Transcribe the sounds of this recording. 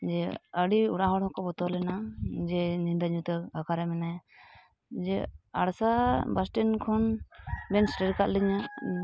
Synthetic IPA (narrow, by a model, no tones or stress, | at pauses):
d͡ʒɛəɽiuɽaɦɔɽhɔ̃kɔbɔt̪ɔlɛnad͡ʒɛnind̪aɲut̪ɛɡakaɾɛmɛnaja | d͡ʒɛaɽsabasʈɛnkʰɔnbɛnsʈɛɾkaʔliɲa